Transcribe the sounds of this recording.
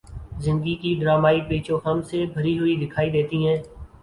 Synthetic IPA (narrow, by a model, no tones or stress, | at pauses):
zɪ̃nd̪ɡikiːɖɾaːmaːiːpiːt͡ʃõːɦəmsebʱəɾiɦʊid̪ɪkʰaːid̪eːt̪iːɦɛ̃ː